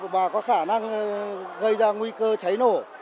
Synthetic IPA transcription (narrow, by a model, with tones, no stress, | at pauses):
ɓaː˨˩kɔ˨˦xaː˧˩na˧ŋ | ɣə˧jzaː˧ŋwi˧kəː˧t͡ɕa˨˦jno˧˩